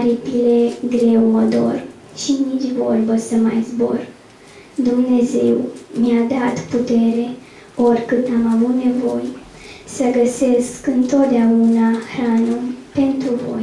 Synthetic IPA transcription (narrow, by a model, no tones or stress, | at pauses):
ɾipileɡɾe̞wod̪o̞̰r | ʃinit͡ʃʲvo̞rbəsəmajzbo̞̰r | d̪umne̞ze̞wmiad̪at̪put̪e̞ɾe̞ | o̞rʲkɨnd̪amavut̪ne̞vo̞j | səɡəse̞skɨnt̪o̞t̪̚d̪eaunahɾanupe̞nt̪ɾuvo̞̰j